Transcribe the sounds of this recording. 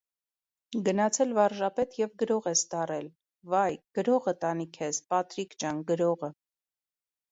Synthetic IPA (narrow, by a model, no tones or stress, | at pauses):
ɡənɑt͡sʰɛlvɑrʒɑpɛt̪ʰjɛvɡəɾɔʁɛst̪ɑrɛl | vɑjɡ̥əɾɔʁət̪ɑnikʰɛspɑt̪ɾikt͡ʃɑnɡəɾɔʁə